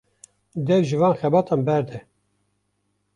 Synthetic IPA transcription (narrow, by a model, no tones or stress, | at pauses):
d̪ɛvʒɨvɑːnxɛbɑːt̪ʰɑːnbɛɾd̪ɛ